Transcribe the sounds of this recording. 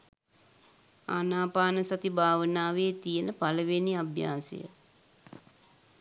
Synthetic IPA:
a̰naːpaːnəsat̪ibʱaːʋənaːʋeːt̪ijənəpaləʋeniabja̰ːsə̰jə̰

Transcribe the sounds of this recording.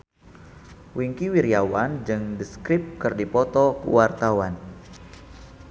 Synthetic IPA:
wiŋkiwiɾiawand͡ʒɨŋdəskɾip̚kɨrdipɔt̪ɔkṵwart̪awan

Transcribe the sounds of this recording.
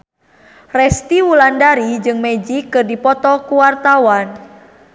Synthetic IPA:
rɛst̪iwulandaɾid͡ʒɨŋmɛd͡ʒikɨrdipɔt̪ɔkuwart̪awan

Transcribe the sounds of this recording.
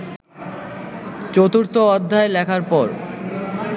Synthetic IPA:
t͡ɕot̪uɾt̪oɔd̪ʱːaelɛkʰaɾpɔɾ

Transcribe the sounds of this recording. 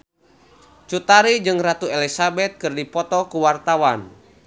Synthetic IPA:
t͡ʃut̪aɾid͡ʒɨŋrat̪uelisabɛt̪̚kɨrdipɔt̪ɔkuwart̪awan

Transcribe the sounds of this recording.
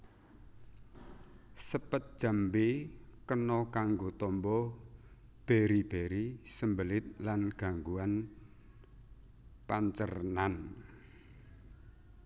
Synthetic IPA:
səpət̪̚d̥ʒ̥a̤mbekənɔkaŋɡot̪ɔmbɔ | b̥e̤ɾib̥eɾisəmbəlɪt̪̚lanɡ̥a̤ŋɡuan | paɲt͡ʃə̰rnan

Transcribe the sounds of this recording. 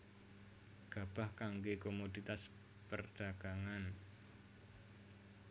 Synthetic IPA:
ɡ̥a̤b̥a̤hkaŋɡekomodit̪as | pərd̥aɡ̥aŋan

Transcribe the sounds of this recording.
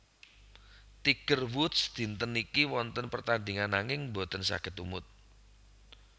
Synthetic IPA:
t̪iɡ̥ərwʊt̪sd̪̥i̤nt̪ənikiwɔnt̪ənpərt̪and̪iŋanːaŋɪŋbo̤t̪ənsa̰kɪt̪umʊt̪̚

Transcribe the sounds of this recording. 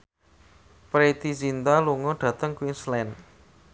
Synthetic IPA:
pɾet̪izint̪aluŋɔɖ̪̥ä̤t̪əŋkwinslɛn

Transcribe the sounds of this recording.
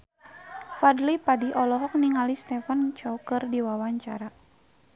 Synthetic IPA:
fadlipadiʔɔlɔɦɔk̚niŋalist̪ɛfant͡ʃɔukɨrdiwawaɲt͡ʃa̰ɾa

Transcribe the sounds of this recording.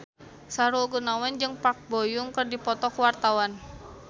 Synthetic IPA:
saɾuɡunawand͡ʒɨŋpak̚bojuŋkərdipɔt̪ɔkuwart̪awan

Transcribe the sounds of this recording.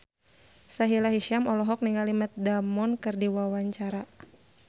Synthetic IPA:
saɦilaɦiʃiamɔlɔɦɔk̚niŋɡalimət̪̚damɔnkɨrdiwawaɲt͡ʃaɾa

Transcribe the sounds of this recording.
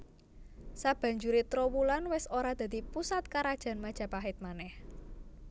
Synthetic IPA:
sab̥ä̤ɲd͡ʒuɾit̪ɾowulanwɪsoɾad̪̥a̤d̪̥ipusat̪̚kaɾad̥ʒ̥ä̤nmad̥ʒ̥ä̤paɦɪt̪̚manɛh

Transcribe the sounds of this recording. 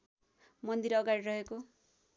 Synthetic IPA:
mʌnd̪iɾʌɡaɽirʌɦeko

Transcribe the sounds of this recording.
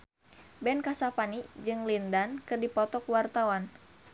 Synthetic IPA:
bɛnkasapanid͡ʒɨŋlindankɨrdipɔt̪ɔkwart̪awan

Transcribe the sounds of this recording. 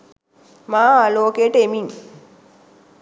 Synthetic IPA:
maːloːkeːʈəemiŋ

